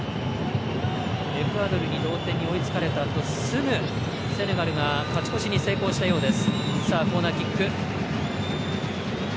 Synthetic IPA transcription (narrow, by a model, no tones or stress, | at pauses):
ɾe̞ɸɯ̟aːd̪o̞ɾɯ̟ɲ̟iɾo̞ːt̪ẽ̞ɲ̟ːio̞it͡sɨ̥kaɾe̞t̪at̪o̞sɨŋɯ̟ | se̞neɡaɾɯ̟ɡakat͡ɕi̥ko̞ɕiɲ̟ise̞ːko̞ːɕi̥t̪ajo̞ːd̪e̞sɨ̥saːkoːnakʲikːɯ̟